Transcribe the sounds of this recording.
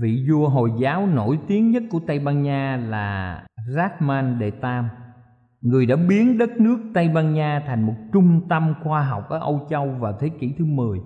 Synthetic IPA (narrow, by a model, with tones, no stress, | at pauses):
vḭ˧˨zu˧əɦo˨˩jzaː˨˦wno̰˧˩jt̪i˨˦əŋɲə˦˥t̚ku˧˩ət̪ə˧jɓaː˧nɲaː˧laː˨˩zaː˦˥t̚maː˧nɗe˧˩t̪aː˧m | ŋɨ˨˩əjɗa̰ː˧˥ɓi˨˦ənɗə˦˥t̚nɨ˦˥ək̚t̪ə˧jɓaː˧nɲaː˧t̪ʰa˨˩jŋ̟mo˨˩t̚t͡ɕʊ˧ŋ͡mt̪ə˧mxwaː˧ɦa˨˩wk͡p̚ʔəː˧˩ʔə˧wt͡ɕə˧wvaː˨˩t̪ʰe˨˦kḭ˧˩t̪ʰɨ˨˦mɨ˨˩əj